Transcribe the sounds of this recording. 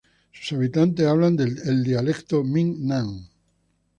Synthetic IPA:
su̥saβit̪ant̪eaβland̪eeld̪ialekt̪omiŋnãŋ

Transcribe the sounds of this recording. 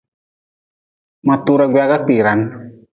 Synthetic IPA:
mat̪uɾaɡwakak͡piɾan

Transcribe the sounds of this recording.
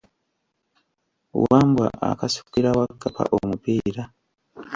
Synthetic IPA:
waːmbwa̰ʔa̰kasu̥kiɾawakːapʰa̰ʔomupiɾa

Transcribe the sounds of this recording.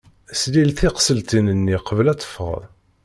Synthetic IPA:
slilθiqsəlt̪inənːiqəvəlæt͡sːə̥fːəʁə̰ð

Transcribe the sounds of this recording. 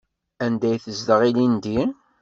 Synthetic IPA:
ænd̪æjθəzd̪əʁilind̪i

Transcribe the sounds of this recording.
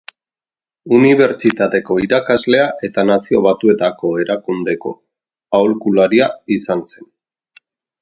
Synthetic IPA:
uniβ̞e̞ɾt͡ʃit̪at̪e̞ko̞iɾakazle̞aʔe̞t̪anasio̞β̞at̪ue̞t̪ako̞e̞ɾakund̪e̞ko̞ | awlkulaɾiaisanse̞n

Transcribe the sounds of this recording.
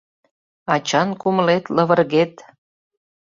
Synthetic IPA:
ɑt͡ɕɑnkuməlet̪lə̆βə̆rɣet̪

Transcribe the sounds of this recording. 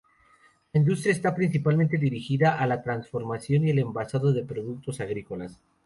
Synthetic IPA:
laind̪ust̪ɾjaest̪apɾins̬ipalment̪e̞ðiɾixiðaʔalat̪ɾansfo̞ɾmasjo̞niele̞mbasaðoðe̞pɾo̞ðuk̚t̪o̞saɣɾiko̞las

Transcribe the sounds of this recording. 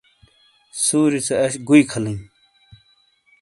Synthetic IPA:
suːɾit͡sʰeɐɕɡuikʰɐlin

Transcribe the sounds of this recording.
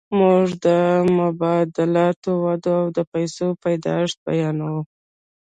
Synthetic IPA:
muʐd̪əmʊbɑd̪ɪlɑt̪owad̪oawd̪əpajsopajd̪ɑ̰ʂt̪̚ba̰jɑnawu

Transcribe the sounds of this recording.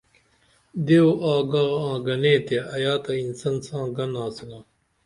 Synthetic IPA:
d̪eoʔaːɡaːãːɡɐnẽːt̪eʔɐjaːt̪ɐinsɐnsãːɡɐnãːsilaː

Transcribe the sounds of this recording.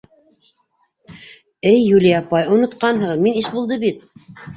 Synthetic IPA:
ɘjːulijɑpɑjŏnŏt̪qɑnɦɤminiʃbulˠd̪ɤbit̪̚

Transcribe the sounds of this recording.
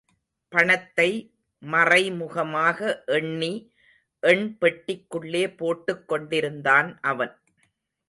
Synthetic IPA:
pɐɳɐt̪ːɐɪ | mɐrɐɪmʊɣɐmaːɣɐʔɛɳːi | ʔɛɳpɛʈːɪkːɯɭːeːpoːʈːɯkːɔɳɖɪɾɯnd̪aːnʔɐʋɐn

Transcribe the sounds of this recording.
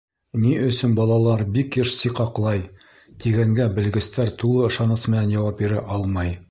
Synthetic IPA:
niʔɵ̆sɵnbɑlˠɑlˠɑɾbikːɘʃsiqɑqlˠɑj | t̪iɡæŋɡæbɘ̆lɡɘ̆st̪æɾt̪ulˠɤɤ̆ʃɑnɤsmɘ̆nænjɑwɑp̚biɾɘʔɑlˠmɑj

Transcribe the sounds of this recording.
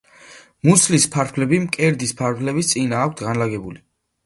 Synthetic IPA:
muslispʰaɾʰlɛbimkʼɛɾd̪ispʰaɾtʰlɛbist̪sʼinaːk̚ʰt̪ʰɡanlaɡɛbuli

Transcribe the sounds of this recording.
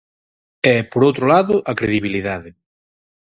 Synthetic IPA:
ɛpoɾowt̪ɾolaðʊʔakɾeðiβiliðaðɪ

